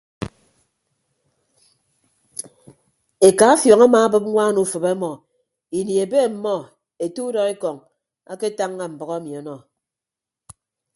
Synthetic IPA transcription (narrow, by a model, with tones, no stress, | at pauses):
e˨ka˨a˦fjɔ˨ŋa˦ma˨a˦bɨ˦p̚ŋʷa˦nu˦˨˦fɨ˨be˦mɔ˨ | i˨ni˨e˨be˦˨m̩˨mɔ˦˨ | e˨tu˦dɔ˨e˦kɔ˨ŋ | a˦ke˦ta˦ŋːa˦˨m̩˨bɔ˨ɣa˦e˦mi˨ɔ˨nɔ˦